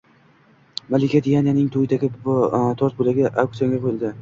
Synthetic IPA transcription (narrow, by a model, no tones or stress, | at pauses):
malɪkʲʰad̪ʰijanjanɪŋt̪ʰojɪd̪aɡʲɪt̪ʰɒɾt̪̚bolaɡʲaʔak̚t̪ijoŋɡʲaqʰojɪlˠd̪ɪ